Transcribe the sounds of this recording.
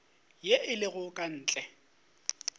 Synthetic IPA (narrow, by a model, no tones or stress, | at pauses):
jeʔɪlɪɣʊkʼan̩ːt͡ɬʼɛ